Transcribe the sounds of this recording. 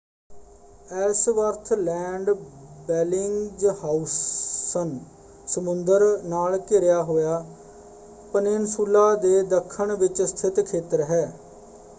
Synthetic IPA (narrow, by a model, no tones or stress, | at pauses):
ɛsʋəɾt̪ʰlɛːɳɖbɛːlɪŋd͡ʒhaːusən | səmʊnd̪əɾnaːlkɪɾɪjaːɦoːjaː | pənensuːlːaːd̪eːd̪əkʰːəɳʋɪt͡ʃst̪ʰɪt̪kʰeːt̪əɾɦɛː